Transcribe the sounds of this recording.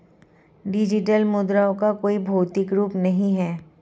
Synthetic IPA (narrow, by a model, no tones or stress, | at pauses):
ɖɪd͡ʒɪʈəlmʊd̪ɾaːõkakoːibʱoːt̪ɪkɾuːpnɐɦĩɦɛː